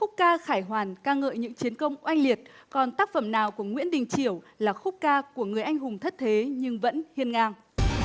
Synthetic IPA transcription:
xʊ˦˥k͡p̚kaː˧xaː˧˩jɦwaː˨˩nkaː˧ŋə̰ː˧˨jɲɨ̰˧˥ŋt͡ɕi˨˦ənkə˧wŋ͡mʔa˧jŋli˨˩ət̚kɔ˨˩nt̪aː˦˥k̚fə˧˩mnaː˨˩wku˧˩əŋwḭ˧˥ənɗḭ̈˨ŋ̟t͡ɕi˧˩əw | laː˨˩xʊ˦˥k͡p̚kaː˧ku˧˩əŋɨ˨˩əjʔa˧jŋ̟ɦʊ˨˩ŋ͡mt̪ʰə˦˥t̚t̪ʰe˨˦ɲɨ˧ŋvə̰˧˥nhi˧ənŋaː˧ŋ

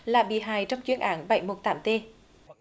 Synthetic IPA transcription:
laː˨˩ɓḭ˧˨ɦaː˨˩jt͡ɕɔ˧wŋ͡mt͡ɕwi˧ənʔaː˨˦nɓə˧˩jmo˨˩t̚t̪aː˨˦mt̪e˧

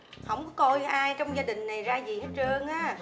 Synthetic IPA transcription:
hə˧˩wŋ͡mkɔ˨˦kɔ˧jʔaː˧jt͡ɕɔ˧wŋ͡mzaː˧ɗï˨˩ŋ̟na˨˩jzaː˧zi˨˩he˦˥t̚əː˧ŋʔaː˨˦˥

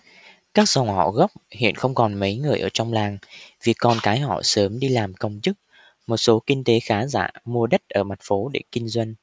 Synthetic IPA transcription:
kaː˦˥k̚zɔ˨˩whɔ̰˧˨ɣə˦˥p̚hḭ˧˨ənxə˧wŋ͡mkɔ˨˩nmə˨˦jŋɨ˨˩əjʔəː˧˩t͡ɕɔ˧wŋ͡mlaː˨˩ŋvi˨˩əkːɔ˨˩nkaː˨˦jɦɔ̰˧˨səː˨˦mɗi˧laː˨˩mkə˧wŋ͡mt͡ɕɨ˦˥k̚ | mo˨˩t̚so˨˦kï˧ŋ̟t̪e˨˦xaː˨˦za̰ː˧˨mu˧əɗə˦˥t̚ʔəː˧˩ma˨˩t̚fo˨˦ɗe˧˩kï˧ŋ̟zwə˧jŋ̟

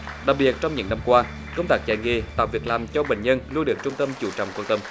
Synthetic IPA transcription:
ɗaː˨˩k̚ɓi˨˩ət̚t͡ɕɔ˧wŋ͡mɲɨ̰˧˥ŋna˧mkwaː˧ | kə˧wŋ͡mt̪aː˦˥k̚t͡ɕa˧˩jŋḭ˧˨˩t̪a̰ː˨˩vi˨˩ək̚laː˨˩mt͡ɕɔ˧ɓḛ˧˨ŋ̟ɲə˧nlu˧nɗɨ˨˩ək̚t͡ɕʊ˧ŋ͡mt̪ə˧mt͡ɕu˧˩t͡ɕɔ̰˧˨ŋ͡mkwa˧nt̪ə˧m

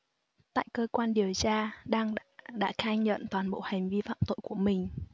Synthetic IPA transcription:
t̪a̰ː˧˨jkəː˧kwaː˧nɗi˨˩əwt͡ɕaː˧ɗaː˧ŋː˧ɗa̰ː˧˥kaː˧ɲə̰˧˨nt̪waː˨˩nɓo̰˧˨ha˨˩jŋ̟vi˧fa̰ː˧˨mt̪o̰˧˨jku˧˩əmï˨˩ŋ̟

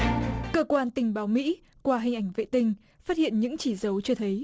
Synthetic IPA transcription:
kəː˧kwaː˧nt̪ï˧˩ŋ̟ɓaː˨˦wmḭ˧˥ | kwaː˧ɦï˨˩ŋ̟ʔa˧˩jŋ̟vḛ˧˨t̪ï˧ŋ̟ | faː˦˥t̚hḭ˧˨ənɲɨ̰˧˥ŋt͡ɕi˧˩zə˨˦wt͡ɕɔ˧t̪ʰə˨˦j

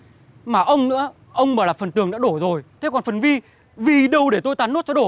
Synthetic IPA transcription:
maː˨˩ʔə˧wŋ͡mnɨ̰˧˥ə | ʔə˧wŋ͡mməː˧˩laː˨˩fə˨˩nt̪ɨ˨˩əŋɗa̰ː˧˥ɗo˧˩zo˨˩jt̪ʰe˨˦kɔ˨˩nfə˨˩nvi˧ | vi˨˩ɗə˨˧˩wɗe˧˩t̪o˧jt̪aː˨˩nːo˦˥t̚t͡ɕɔ˧ɗo˧˩

